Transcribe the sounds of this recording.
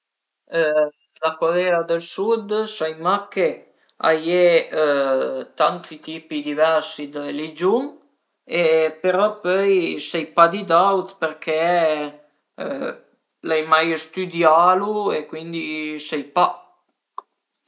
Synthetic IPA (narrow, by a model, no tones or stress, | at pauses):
lakalɛad̪əlsud̪sajmake | a̰je | t̪ant̪it̪iːpid̪ivɛɾsid̪əelid͡ʒuŋ | epeɾɔpœjsɛjpad̪id̪awt̪pəɾkʰɛ | lajmajəst̪yd̪jaluekwind̪isɛjpa